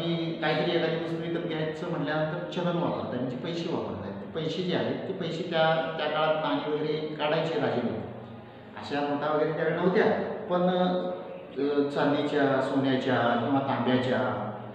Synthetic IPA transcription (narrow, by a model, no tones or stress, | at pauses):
mikaɦik̪əɾiːjet̪akiməst̪ɾiːk̪ət̪ɡjat͡səːm̤əɳljanənt̪əɾt͡ɕʰəɦənʋat̪a̰t̪aɾm̤əɳd͡ʑiːpəjɕeːʋa̰pə̰ɾna̰jet̪ipəjɕed̪jalet̪ipəjɕet̪jat̪jakaɭat̪ːaɽ̃iʋəɡeɾekaɽajt͡ɕeɾaɡinət̪i | ə̰ɕamoʈaʋəɡeɾet̪jaʋeɾenəʋt̪japəɳ | t͡sanːit͡ɕjasoɳjat͡ɕjakĩw̃ʋat̪ãnd̪jat͡ɕja